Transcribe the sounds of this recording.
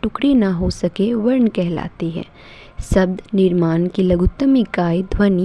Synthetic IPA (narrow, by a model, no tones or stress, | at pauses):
ʈʊkɽenɐɦosɐkeʋɐɾɳkɛɦla̰ːt̪iɦɛ̰̃ː | sɐb̚d̪nɪɾmaːnkilɐɡʊt̪ːəmikaːjd̪ʱwɐn